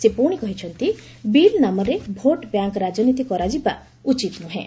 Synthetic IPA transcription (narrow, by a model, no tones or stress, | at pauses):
sepuɽ̃ikɔɦit͡ʃʰɔnt̪i | bilnamɔɾebʱoʈbjaŋkɾad͡ʒɔnit̪ikɔɾad͡ʒiba̰ | ut͡ʃit̪nuɦḛ̃